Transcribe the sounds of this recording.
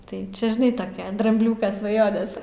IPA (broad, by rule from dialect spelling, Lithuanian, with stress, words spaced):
tɐɪ ˈt͡ʃʲɛ ʒʲɪˈnɐɪ tɐˈkʲɛ drɐmʲbʲˈlʲuːkɐ sʋɐˈjoːnʲɛs